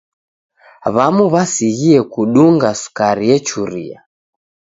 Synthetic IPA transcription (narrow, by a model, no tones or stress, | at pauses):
βamuβasiɣiɛkuɗuŋɡasu̥kaɾiɛt͡ʃuɾḭa̰